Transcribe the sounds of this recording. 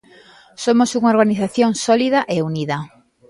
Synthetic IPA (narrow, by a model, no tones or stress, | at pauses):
somosuŋaoɾɣaniθaθjoŋsɔlið̞ɐʔeuniðɐ